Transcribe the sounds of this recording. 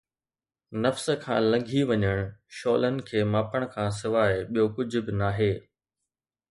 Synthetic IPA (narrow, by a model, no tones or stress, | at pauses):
nɐfsəkʰã̰ːlɐ̃ŋɡʱiʋɐɲəɽ̃ʃɔːlənɪ̆kʰeːmaːpəɽ̃̆kʰãːs̬ɪʋaːɪɓijokʊd͡ʑʱʊ̆bɪnaːɦeː